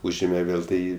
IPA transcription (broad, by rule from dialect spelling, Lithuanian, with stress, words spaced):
ˈuːʒʲeːmʲɛ ˈʋʲeːlˠ ˈtɐɪ